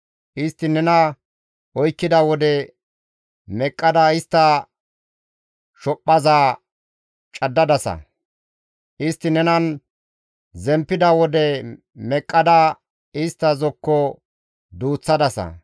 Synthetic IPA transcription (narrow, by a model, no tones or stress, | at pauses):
ʔɪst̪ːɪnɛnɐ | ʔɔjkːɪd̪ɐwɔd̪ɛ | mɛkʼːɐd̪aɪst̪ːɐ | ʃɔpʼːɐzaː | t͡ʃʼɐd̪ːɐd̪ɐsɐ̰ | ʔɪst̪ːɪnɛnɐn | zɛmpːɪd̪ɐwɔd̪ɛ | mɛkʼːɐd̪a | ɪst̪ːɐzɔkːɔ | d̪uːt͡sːɐd̪ɐsɐ̰